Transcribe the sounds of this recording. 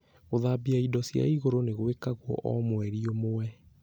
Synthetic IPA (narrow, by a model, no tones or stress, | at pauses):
ɣoðabiaidɔsja̰iɣoɾoneɣwekaɣwɔ̰ʔɔmwɛɾiomowɛ